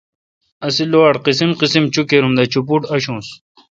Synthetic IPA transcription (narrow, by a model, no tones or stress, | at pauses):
ɐsiloaɽqisimqisimt͡ɕukeɾumd̪ɐt͡ɕupuʈɐɕũːs